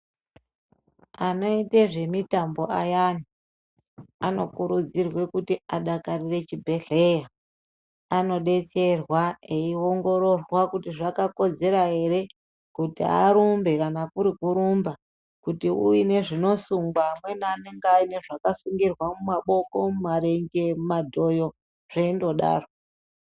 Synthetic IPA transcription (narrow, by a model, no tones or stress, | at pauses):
ano̞iteʐe̞mitambo̞ʔajani | ano̞kuɾud͡zirwe̞kutiaɗakarire̞t͡ʃibʱe̞ɮe̞ja | ano̞ɗe̞t͡se̞rwae̞io̞ŋɡo̞ɾo̞rwakutiʐakako̞d͡ze̞ɾaɦe̞ɾe̞ | kutḭa̰ɾumbe̞kanakuɾikuɾumba | kutiṵjine̞ʐino̞suŋɡwaːmwe̞naːneŋɡaine̞ʐakasuŋɡirwamumaɓo̞ko̞mumaɾe̞ŋɡe̞madʱo̞jo̞ | ʐ̥eindo̞ɗa̰ːro